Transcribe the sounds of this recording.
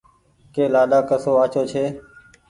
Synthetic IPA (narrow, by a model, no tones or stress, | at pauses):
keːlaːɗaːkəsoːaːt͡ʃoːt͡ʃʰeː